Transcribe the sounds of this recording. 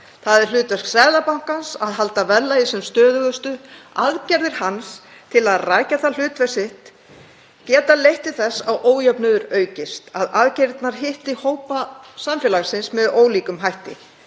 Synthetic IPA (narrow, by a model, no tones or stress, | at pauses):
θaðɛɾ̥l̥ʏːt̪vɛsksɛɾðapawŋ̥kansaðɦalt̪avɛlːajɪsɛmst̪œːðʏɣʏst̪ʏaðcɛɾðɪɾ̥hans | t̪ʰɪlaðraːjcaθal̥ʏːt̪vɛsɪht̪ | cɛːt̪alejht̪ɪθɛsːawʔoːwjapnʏðʏɾœːɥcɪst̪aðaðcɛɾt̪naɾ̥ɦɪht̪ɪhoːwpasamfjɛːlaɣsɪnsmɛðoːwliːkʏmɦajht̪ɪ̰